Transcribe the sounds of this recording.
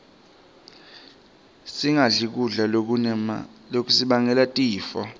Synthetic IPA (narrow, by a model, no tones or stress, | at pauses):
siŋaɮik̬uɮa | lok̬ʼusiɓaŋɛlatʼiːfɔ̰